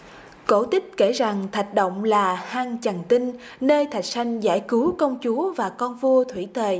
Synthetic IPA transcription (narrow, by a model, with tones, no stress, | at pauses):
ko˧˩t̪ï˦˥k̟̚ke˧˩za˨˩ŋt̪ʰa˨˩jk̟̚ɗə̰˧˨wŋ͡mlaː˨˩haː˧ŋt͡ɕaə˨˩ŋt̪ï˧n | nəː˧jt̪ʰa˨˩jk̟̚sa˧jŋ̟za̰ː˧˩jku˨˦kə˧wŋ͡mt͡ɕu˨˦vaː˨˩kɔ˧nvu˧ət̪ʰwi˧˩t̪ʰwe˨˩